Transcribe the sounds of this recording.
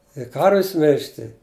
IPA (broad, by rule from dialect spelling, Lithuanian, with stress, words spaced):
ɪ ˈkɐrʲʋʲɪs ˈmʲɪlʲʃʲtʲɪ